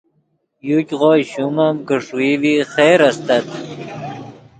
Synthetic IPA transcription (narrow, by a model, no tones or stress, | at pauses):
jukʲʁoːjɕumamkəʂuiviχeːɾast̪at̪